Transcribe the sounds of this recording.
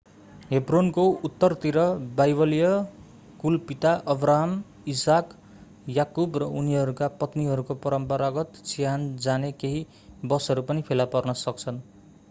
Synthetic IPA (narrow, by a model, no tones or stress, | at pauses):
ɦebronkout̪ːʌrt̪iɾʌbajbʌlijʌ | kulpit̪aʔʌbraɦam | isak | jakubrʌuniʌɾukapʌt̪niɦʌɾukopʌɾʌmpʌɾaɡʌt̪t͡sʰijand͡zanekeɦi | bʌsɦʌɾupʌnipʰelapʌrnʌsʌk̚t͡sʰʌn